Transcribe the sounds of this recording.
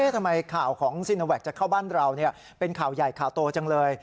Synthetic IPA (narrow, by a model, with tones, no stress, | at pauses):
eː˥˩t̪ʰmːa˧jkʰaː˨˩wkʰɔː˩˦ŋsi˧nːo˧wɛː˨˩k̚t͡ɕa˨˩kʰa˥˩wbaː˥˩nɾa˧wni˥˩ɐ | pe˧nkʰaː˨˩wja˨˩jkʰaː˨˩wt̪u˧ɐt͡ɕa˧ŋlɤː˧j